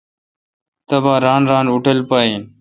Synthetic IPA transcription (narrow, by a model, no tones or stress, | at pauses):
t̪əbaːɾaːnɾaːnʊʈəlpaːiːn